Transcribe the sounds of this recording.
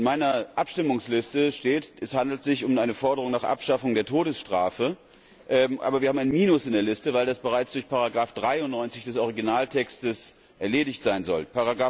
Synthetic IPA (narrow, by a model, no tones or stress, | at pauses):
ɪnmaɪnɐʔapʃtɪmʊŋslɪstəʃteːtɛshandl̩tz̥ɪçʊmʔaɪnəfɔɐdəʁ̞ʊŋnaːχʔa̰pʃafʊŋdeːɐtʰoːdəsʃtʁ̥a̰ːfə | ʔʔa̰ːbɐviɐhaːm̩aɪnmiːnʊsɪndeːɐlɪstəvaɪldasb̥əʁaɪt͡sd̥ʊɐçpʰaʁaɡʁaːfd̥ʁaɪʊnnːɔʏnt͡sɪçd̥ɛsʔɔʁ̞iɡinaːltʰɛkstəs | ʔɛɐleːdɪçtz̥aɪnzɔ̰lpaʁaɡʁaː